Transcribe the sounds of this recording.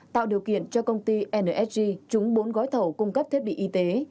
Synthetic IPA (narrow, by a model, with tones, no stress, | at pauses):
t̪a̰ː˧˨wɗi˨˩əwkḭ˧˨ənt͡ɕɔ˧kə˧wŋ͡mt̪i˧ʔɛ˧nəː˧ʔɛ˦˥t̚zi˧t͡ɕʊ˨˦ŋ͡mɓo˨˦nɣɔ˨˦jt̪ʰə˧˩wkʊ˧ŋ͡mkə˦˥p̚t̪ʰi˦˥ət̚ɓḭ˧˨ʔi˧t̪e˨˦